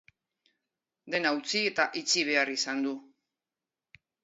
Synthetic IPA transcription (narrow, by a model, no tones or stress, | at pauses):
d̪e̞nawt͡sie̞t̪aʔit͡siβ̞e̞arisand̪u